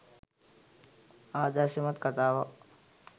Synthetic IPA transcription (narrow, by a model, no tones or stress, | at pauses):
aːd̪aʃimɐt̪kɐt̪aːʋɐ